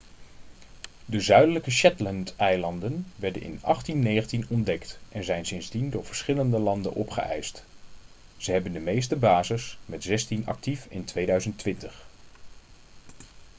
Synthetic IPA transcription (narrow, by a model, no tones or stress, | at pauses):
dəzœɥdələkəʃɛtləntɛjlɑndənʋɛɹdə̰nɪ̰nɑχtinːejχəntinɔndɛktʔɛnzɛjnsɪnzdindʊːɹv̥əɹsχɪləndəlɑndə̰nʔɔpχə̰ʔɛ̰jst | z̥əɦɛbəndəmejstəbaːzɪsmɛtz̥ɛstinɑ̰k̚tifɪ̰ntʋejdœɥzəntʋɪntəχ